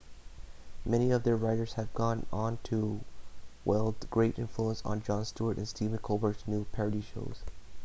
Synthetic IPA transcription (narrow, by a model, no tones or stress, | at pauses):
mɛniʌvðə˞ɹaɪɾə˞z̥ɨvɡɔ̃nə̃ntʰu | wʔɛ̰ɪlˠdzɡ̥ɹeɪɾʔɪ̰̃ɱfluə̃nsn̩d͡ʒɑ̃nstuə˞ɾʔɨ̰̃nstʰiṽnkʰobə˞ksnupʰɛɹɨɾiʃo̰ʊz̥